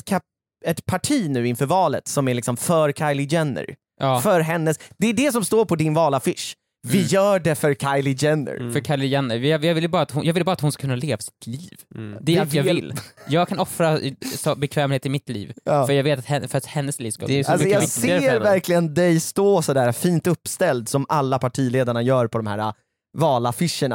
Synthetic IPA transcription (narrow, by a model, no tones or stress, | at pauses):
kʰa | ɛt̪pʰaʈʰiːnʉ̟ːɪnfœɾvɑːlə̰t̪sɔmæɾɭɪksɔmfœɾkʰaɪjlɪd͡ʒɛnːə̰ɾ | ɑːfœɾɦɛnːəsd̪̥ɛːɖɛsɔmst̪oːɾpʰɔd̪ɪnvɑːlafɪʂ | vɪjœːɖɛfœɾkʰajlɪd͡ʒɛnə̰ɾfœɾkʰajlɪjɛnːəɾjɑːjɑvɪlːbɑːɾat̪hʊjɑːɡvɪlbɑːɾat̪hʊnskakʰɵnːaleːvasɪ̥t̪ʰliːvd̪ɛajɑvɪlːjɑːɡkʰanɔfɾasɔbɛkʰvɛːmheːt̪ɪmɪt̪lḭːvːfœɾjɑːɡveːt̪at̪hɛfœɾat̪hɛnːəsliːvskad̪ɛsalsmɔjɑːseːɾvæɾkʰlɪɡənd̪ɛjst̪oːsɔd̪æːɾfiːnt̪ɵpːst̪ɛld̪sɔmalːapʰaʈʰiːleːd̪aɳajœːɾpʰɔd̪ɔmhæ̰ːɾa̰ | vɑːlafɪʂːəɳa̰